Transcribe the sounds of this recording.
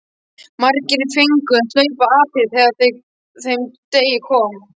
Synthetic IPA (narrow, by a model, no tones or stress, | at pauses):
maɾcɪɾɪfeŋkʏaðslœːɥpaaːpɪθɛːðaɾθej | θejmt̪eːjɪkʰɔːm